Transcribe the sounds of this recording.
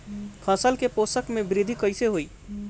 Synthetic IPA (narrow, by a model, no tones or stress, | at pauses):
kʰə̃səlkeposəkmebɾid̪ʱikəjseɦoi